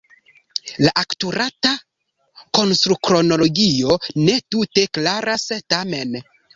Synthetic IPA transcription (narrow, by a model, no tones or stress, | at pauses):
laʔaktuɾata | ko̞nstɾukɾo̞no̞lo̞ɡio̞ne̞tute̞klaɾastame̞n